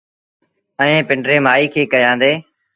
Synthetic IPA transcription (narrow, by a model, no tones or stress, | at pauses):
əɛẽːpɪɳɖɾeːmaːiːkʰeːkəjãːnd̪eː